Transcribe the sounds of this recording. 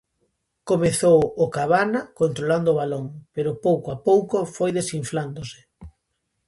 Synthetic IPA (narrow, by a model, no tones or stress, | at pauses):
komeθowokaβanakont̪ɾoland̪oːβaloŋpeɾopowkoapowkofojðesiɱfland̪ose̥